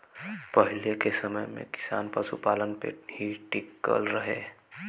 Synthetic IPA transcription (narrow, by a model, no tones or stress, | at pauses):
pəɦɪlekesəməjmḛ̃kɪ̥sa̰ːnpəʃupaːlənpḛhiʈɪkːə̰lɾəɦeː